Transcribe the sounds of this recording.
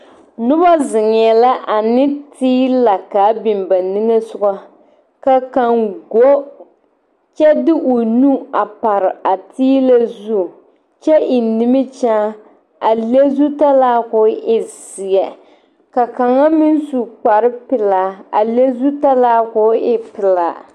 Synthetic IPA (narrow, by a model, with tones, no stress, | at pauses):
nʊ˦ba˦zɪ˨ŋ˨jɛ˨la˦ʔa˨nɪ˦tiː˦la˨kaː˨˦bɪ˨mba˨ni˦ŋe˦sʊ˦ɡa˦ | ka˨ka˨ŋɡo˦ | t͡ʃɛ˦dɪ˦ʔʊ˨nu˦a˨pa˨ɾɪ˨a˨tʰiː˦la˦zu˦˨ | t͡ʃɛ˦ʔɪ˨nɪ˦mɪ˦t͡ʃaː˦ | a˨le˦zu˦ta˦laː˦kʊ˦ʔɪ˦z̥i˨ɛ˨ | ka˨ka˨ŋa˦mɪ˦n˦su˨k͡pa˨ɾɪ˦pɪ˨laː˨˦a̰˨le˦zu˦ta˦laː˦kʊ˨˦ɪ˦pɪ˨la̰ː˨